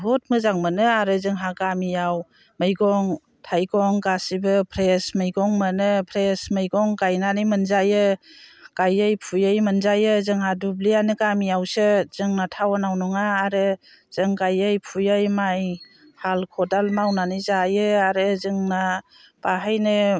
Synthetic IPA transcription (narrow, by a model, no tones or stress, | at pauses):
bɔt̚mɯzaŋmɯnɯaɾɯzɯŋɦaɡamijaw | mɯjɡɔŋ | tʰajɡɔŋɡasibɯpʰɾesmɯjɡɔŋmɯnɯpʰɾesmɯjɡɔŋɡajnanɯjmɯnzajɯ | ɡ̥ajɯjpʰujajmɯnzajɯzɯŋɦadublijanɯɡamijawsɯz̥ɯŋnatʰawanawnɔŋaːɾɯ | z̥ɯŋɡajɯjpʰujajmaj | halkʰɔdalmawnanizajɯaɾɯzɯŋna | b̥aɦajnɯ